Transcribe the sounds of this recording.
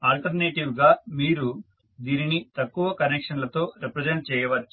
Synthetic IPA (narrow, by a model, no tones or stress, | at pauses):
aːlʈɐɾneːʈiwɡaːmiːɾu | d̪iːninit̪ɐkːuʋɐkɐnekʂɐnlɐt̪o̞ːɾipɾɐd͡ʒeɳʈ̚t͡ʃɛːjɐʋɐt͡ʃːu̥